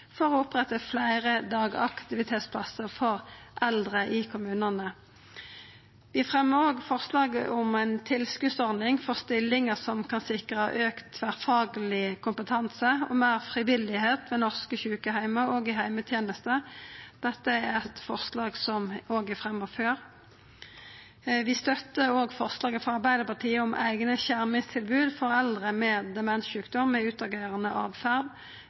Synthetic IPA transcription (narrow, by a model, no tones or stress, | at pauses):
fɔʁɔʊpʁɛt̪ːəflæɪʁəd̪ɑːɡɑ̰kt̪ɪʋɪt̪ʰeːt̪spʰlɑsəʁfɔʁʔɛld̪ʁəʔɪkʰʊmʉːnənə | ʋɪɑfʁɛmːəʁoːɡfɔʁslɑːɡəʔʊmæɪnt̪ʰɪlskʉsɔʁnɪŋfɔʁst̪ɪlːɪŋəsɔmkʰɑnsɪkʁəhɑ̰øːkt̪ʰːʋæʁfɑːɡəlɪkʰʊmpət̪ʰɑnsəɔ̰mæɪʁfʁɪʋɪlɪheːt̪ʋɛnɔʁskəçʉːkəɦæɪməoːɡɪɦæɪmət̪ʰjeːnəst̪əd̪̥ɛt̪ːəæʁɛt̪fɔʁslɑːɡsɔmoːɡæfʁɛmːɔføːʁ | ʋɪst̪œt̪ːəoːɡfɔʁslɑːɡəfɔʁɑʁbæɪd̪əpɑʁt̪ʰiːəʊmʔæ̰ɪɡnəçæʁmɪŋst̪ʰɪlbʉːd̪fɔʁɛld̪ʁəmɛːd̪ɛmɛnʃʉːkd̪ɔmːɛʉːt̪ɑɡeːʁənəʔɑːʋfæʁd̪